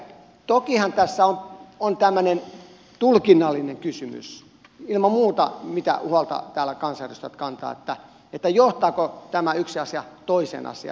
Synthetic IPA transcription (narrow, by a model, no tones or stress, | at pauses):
t̪okihɑnt̪æsːæonont̪æmːønen | t̪ulkinːɑlːineŋkysymy̰s | ilmɑmuːt̪ɑ̰mit̪æ̰ʔuhɑlt̪ɑ̰t̪æːlækɑnsɑæryst̪æ̰t̪kɑnt̪ɑ̰ːḛt̪ːæ | et̪ːæjoht̪ɑːkot̪æmæyksiɑsiɑt̪oisḛːnʔɑ̰siɑ̰